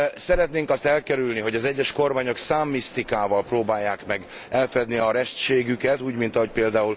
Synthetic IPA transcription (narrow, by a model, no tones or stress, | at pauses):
sɛɾɛt̪neːŋkɒst̪ɛlkɛɾylniɦo̞ɟɒzɛɟːɛʃko̞rmaːɲo̞ksaːmːist̪ikaːvɒlproːbaːjːaːkmɛɡ | ɛlfɛd̪niɒɾɛʃt̪ʃeːɡykɛt̪uːɟmint̪ɒɦo̞c̚peːld̪aːul